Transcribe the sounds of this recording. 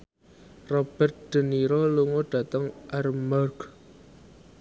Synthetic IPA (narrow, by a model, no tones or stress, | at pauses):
rɔb̥ə̤rt̪̚d̥ə̤niɾoluŋoɖ̥ä̤t̪əŋʔarmarɡ